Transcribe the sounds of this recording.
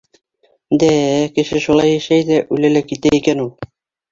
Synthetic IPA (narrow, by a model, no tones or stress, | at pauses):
d̪ækɘ̆ʃɘʃulˠɑjæʃæjd̪æʔʉjlælækit̪æikænulˠ